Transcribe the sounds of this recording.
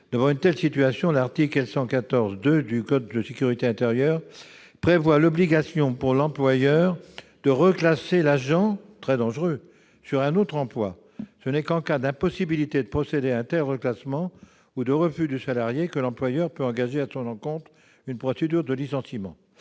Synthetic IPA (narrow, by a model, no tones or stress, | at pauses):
d̪̥əvɑ̃ynt̪ɛlsit̪yasjɔ̃laʁt̪ikɛlsɑ̃kat̪ɔʁzd̪ød̪ykɔd̪ːəsekʲyʁit̪eɛ̃t̪eʁjœːʁ | pχevwalɔbliɡasjɔ̃puʁlɑ̃plwajœʁ | d̪̥əʁəklaselaʒɑ̃t̪χɛd̪ɑ̃ʒʁø | syʁɛ̃not̪χɑ̃plwa | sənɛkɑ̃kad̪ɛ̃pɔsibilit̪ed̪əpχɔsed̪eaɛ̃t̪ɛlʁəklasmɑ̃ | ud̪əʁəfyd̪ysalaʁjekəlɑ̃plwajœʁpøɑ̃ɡaʒeasɔ̃nɑ̃kɔ̃t̪χ | ynpχɔsed̪yʁd̪əlisɑ̃simɑ̰̃